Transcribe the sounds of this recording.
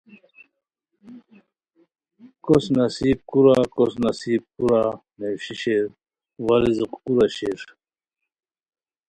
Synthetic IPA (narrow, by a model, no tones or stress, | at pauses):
kosnɐsiːb̚kuɾakosnɐsiːb̚kuɾa | newɕiɕeɾ | waliziqkuɾaɕeɾ